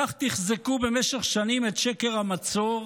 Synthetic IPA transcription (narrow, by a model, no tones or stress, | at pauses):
aχt̪iχzekube̞meʃeχʃanimet̪ʃekeʁhamat͡soʁ